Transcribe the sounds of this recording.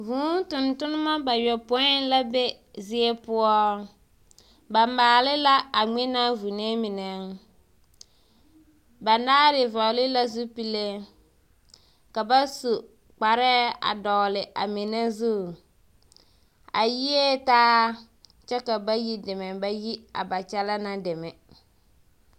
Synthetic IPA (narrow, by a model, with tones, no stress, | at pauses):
vuː˨˦tʊ˨ntʊ˦nɪ˦ma˦ba˨jɔ˨po˨˦ɪ˦n˦la˦be˦ | zɪ˦ɛ˦pʊ˦ɔ˦ | ba˨maː˨lɪ˦la˦a˨ŋ͡mɛ˦na˦vu˨ne˦mɪ˨nɛ˨ | ba˨naː˦ɾɪ˨va˨lɪ˦la˦zu˦pi˦le˦ | ka˨ba˦su˨ | k͡pa˨ɾɛ˦a̰˨dɔ˨lɪ˨ʔa̰˨mɪ˨ne˦zu˦˨ | a˨ji˦e˦taː˦ | t͡ʃɛ˦ka˨ba˦ji˦dɪ˨mɛ˨ba˦ji˦a̰˨ba˨t͡ʃɛ˦la˦na˦dɪ˨mɛ˨